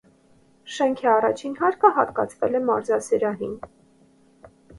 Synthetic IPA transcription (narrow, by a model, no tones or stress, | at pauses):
ʃɛŋkʰiɑrɑt͡ʃʰinɦɑɾkʰəɦɑt̪kɑ̰t͡sʰvɛlɛmɑɾzɑsɛɾɑɦin